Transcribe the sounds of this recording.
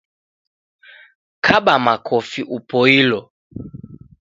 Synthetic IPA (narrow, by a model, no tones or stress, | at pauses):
kʰaɓamakʰɔfiʔupɔilɔ